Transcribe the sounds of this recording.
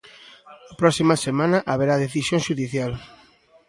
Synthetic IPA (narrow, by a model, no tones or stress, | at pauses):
apɾɔsimɐsemãnɐʔaβeɾaðeθisjõŋʃuðiθjal